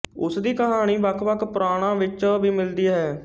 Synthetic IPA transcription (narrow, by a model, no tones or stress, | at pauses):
ʊsd̪iːkəɦaːɽ̃iːʋəkʰʋəkʰpɾaːɽ̃ãːʋɪt͡ʃʋiːmɪld̪iːaːɦɛː